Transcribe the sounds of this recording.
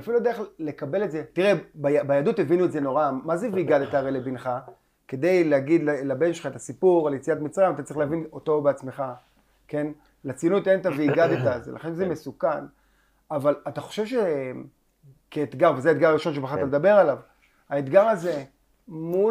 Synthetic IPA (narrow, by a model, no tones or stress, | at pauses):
afiludeeχle̞kabe̞lezetiʁebajabajad̪ut̪ːevinuetzeno̞ʁamazeviiɡad̪et̪aʁelebinχa | ke̞d̪e̞jleaɡid̪lalabe̞nʃelχaet̪asipuʁaljet͡sijat̪mit͡sʁaimat̪at͡sʁiχleavino̞to̞beat͡sme̞χa | ke̞n | lat͡sinujt̪ent̪aviiɡad̪et̪azelʔa̰χenzeme̞sukan | avalat̪aχo̞̥ʃevʃe | keːt̪ɡaʁvezeaet̪̚ɡaʁaʁiʃo̞nʃebeat̪amed̪abe̞ʁalav | aet̪ɡaʁaze̞ | mu